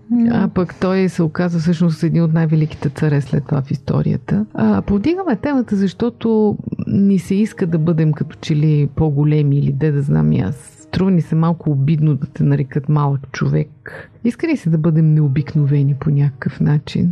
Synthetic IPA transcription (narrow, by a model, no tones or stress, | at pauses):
apɐkt̪ɔjsɛokazvəfsɤʃnʊsɛd̪niot̪najvɛlik̟i̥t̪ɛt̪sɐɾɛslɛ̰t̪ːvafist̪ɔ̰ɾḭjə̰t̪əəpovd̪iɡəmɛt̪ɛmət̪əzɐʃt̪ɔt̪onisɛiskəd̪ɐbɤd̪ɛmkɐt̪ɔ̥t͡ʃɛlipoɡolɛmiːlid̪ɛd̪ɐzna̰mḭa̰s | t̪ɾuvənisɛmalˠkʊːbid̪nod̪ɐt̪ɛnɐɾɛkɤt̪malˠəkt͡ʃovɛkiskənisɛd̪ɐbɤd̪ɛmnɛobiknovɛniponʲakə̥kəfnat͡ʃḭn